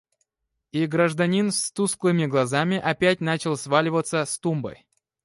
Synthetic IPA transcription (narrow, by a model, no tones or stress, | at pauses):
iɡɾəʐd̪ɐnʲinst̪usklˠɨmʲɪɡlˠɐzamʲɪʔɐpʲæt̚ʲnat͡ɕɪlˠsvalʲɪvət̪səst̪umbə̰j